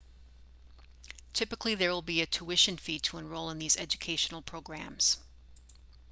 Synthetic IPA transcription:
tʰɪpɨkliðə˞wəlˠbiɨtʰuɪʃɨ̃nfitʰəə̃nɹoʊlˠə̃nðizɛd͡ʒɨkʰeɪʃn̩l̩ˠpʰɹ̥oʊɡɹæ̃mz̥

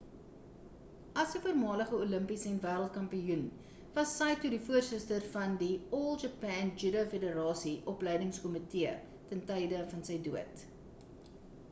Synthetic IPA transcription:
ɐsəfuərmɑːləχəuləmpisəɛnvæːɾəlˠt̚kɐmpijun | vɐsːɐjtudifuərsəstərfɐndiɔlˠd͡ʒɑpɛːnd͡ʒydəfedəɾɑːsiʔɔplɛjdəŋskɔmitiə | tɛntɛjdəfɐnsəjduət

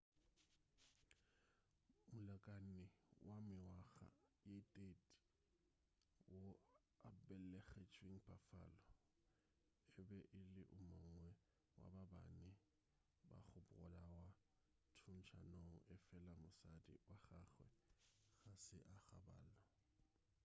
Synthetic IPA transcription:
mʊlakʼanɪwamɪwaɣa̰jetʼetʼ | wo | abɛlɛɣɛt͡ʃʰʼwiŋ̩pʰafaːlɔ | ɪbɛʔɪlɪʔʊmoŋ̩wɛ | wa̰baba̰nɪ | ba̰χʊbʊrɔlawa | tʰʊn̩t͡ʃʰanoʔɪfɛlamʊsadḭwaχaχwɛ̰ɣasɪʔaɣa̰ba̰ːlɔ

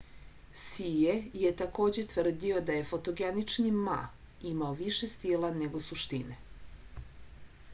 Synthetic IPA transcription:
sijejet̪ako̞ːd͡ʑet̪ʋr̩d̪io̞d̪aje̞fot̪oɡenit͡ʂnima̰ | imaoʋiʃest̪ilˠane̞ɡo̞suʃt̪ine

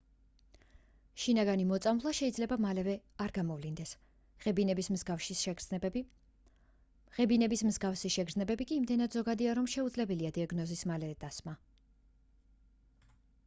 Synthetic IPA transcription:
ʃinaɡanimɔt̪sʼamlˠaʃɛid̪zlɛbamalɛvɛaɾɡamɔvlind̪ɛs | ʁɛbinɛbismzɡafʃi | ʁɛbinɛbismzɡafsiʃɛɡɾznɛbɛbikʼiːmd̪ɛnad̪zɔɡad̪iaɾɔmʃɛud̪zlɛbɛliad̪iaɡnɔzismalɛɛd̪ʼasma

